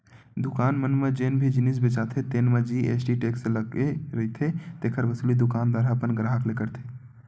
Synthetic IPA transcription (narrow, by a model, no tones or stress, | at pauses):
d̪ukaːnmənmed͡ʒeːnbʱid͡ʒinis̬bet͡ʃat̪ʰet̪eːnmed͡ʒiḛsʈiʈekseləɡeɾəit̪ʰet̪eːkʰəɾʋəsulid̪ukaːnd̪waːɾaəpənɡɾaɦəklekəɾt̪ʰe